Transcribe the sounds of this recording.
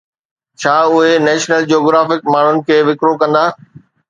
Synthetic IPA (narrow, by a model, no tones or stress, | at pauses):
t͡ɕʰaːʊɦenɛːʃnəld͡ʑoːɡɾaːfɪkmaːɳ̤ʊnɪ̆kʰeːʋɪkɾokɐ̃nd̪aː